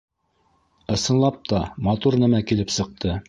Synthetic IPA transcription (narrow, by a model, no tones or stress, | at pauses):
ɤ̆sɤ̆nlˠɑp̚t̪ʰɑmɑt̪uɾnæmækilɘpsɤ̆q̚t̪ʰɤ